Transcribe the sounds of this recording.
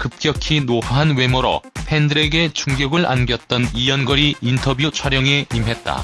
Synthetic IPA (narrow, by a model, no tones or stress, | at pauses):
kɯp̚k͈jʌkʰinoɦaɦanwe̞moɾʌ̰pʰe̞ndɯɾe̞ɡe̞t͡ɕuŋɡjʌɡɯɭʔa̰nɡjʌt̚t͈ʌnijʌnɡʌɾiintʰʌbjut͡ɕʰwaɾjʌŋe̞imɦe̞t̚t͈a̰